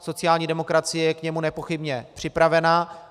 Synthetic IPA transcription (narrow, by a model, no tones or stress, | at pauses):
so̞t͡sɪjaːlɲiːdɛmo̞kɾat͡sɪjɛjɛkɲɛmunɛpo̞xɪbɲɛpr̝̥ɪpɾavɛnaː